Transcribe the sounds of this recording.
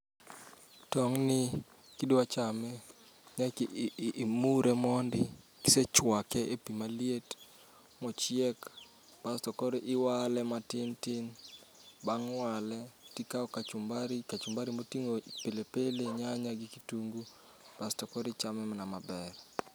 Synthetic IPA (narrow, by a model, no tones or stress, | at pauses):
tɔŋnɪ | kidat͡ʃamɛ | ɲakː | muɾʔɛmɔndɪ | ki̥set͡ʃwakɛʔepimaliet | mɔt͡ʃɪɛk | b̥astɔkɔɾiʔɪwalɛmatɪntɪn | baŋwalɛtikaɔkat͡ʃumbaɾikat͡ʃumbaɾimotiŋopelepeleɲaɲaɡɪkituŋɡu | b̥astɔkɔɾit͡ʃamɛmnamabɛr